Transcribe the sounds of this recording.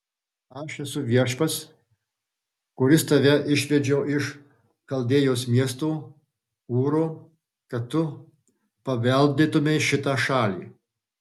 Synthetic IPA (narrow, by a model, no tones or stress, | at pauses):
ɐʃɛsʊʋʲiɛʃpɐs | kʊɾʲɪst̪ɐʋʲɛʔɪʃʲʋʲɛd͡ʒʲɛʊɪʃ | kɐlʲˠd̪ʲeːjoːsmʲiɛst̪oː | uːɾoː | kɐt̪ːʊ | pɐʋʲɛlʲd̪ʲɪt̪ʊmʲeɪʃʲɪt̪ɑːʃɑːlʲḭː